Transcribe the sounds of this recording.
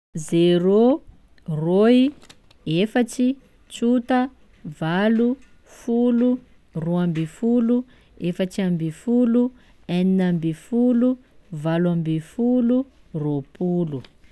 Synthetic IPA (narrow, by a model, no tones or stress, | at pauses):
zeɾo | roi | efat͡ʃi | t͡ʃut̪ə | valu | fulu | roambeifulu | efat͡ʃiambifulu | aninambifuluvalambefulu | ropulu